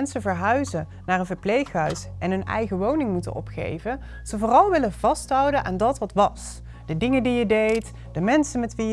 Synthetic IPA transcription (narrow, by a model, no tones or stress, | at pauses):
ɛnsəvəɹɦœɥzə | naːɹənvəɹplejχɦœɥsʔɛnɦɵnɛ̰jχəʋownɪŋmutə̰nɔ̰pχḛjvə | z̥əvʊːrɑlˠʋɪlənvɑstɦʌwdənʔa̰ːndɑtʋɑtʋɑs | d̥ədɪŋədijədejt | dəmɛnsənmɛtʋi